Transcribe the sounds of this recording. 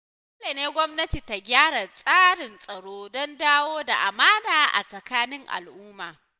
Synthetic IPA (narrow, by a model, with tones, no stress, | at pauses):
ɐ˦le˨neː˦ɡʷɔ˦mnɐ˦ti˨ta˨ɡʲaː˦ɽa˨sʼaː˦ɽɪ˨nsʼɐ˨ɽoː˦dɔ˦ndaː˦woː˦da˨ʔa̰˨maː˦daː˨ʔa̰˨sʼɐ˨kaː˦nɪ˦ŋʔa̰˨lʔʊː˦maː˨